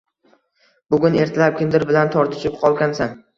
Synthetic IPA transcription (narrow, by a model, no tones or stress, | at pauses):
bʊɡʲʊne̞ɾt̪ʰalap̚kʲʰɪnd̪ɪɾbɪlant̪ʰɒɾd̪ɪʃɪp̚qʰɒlˠɡʲansan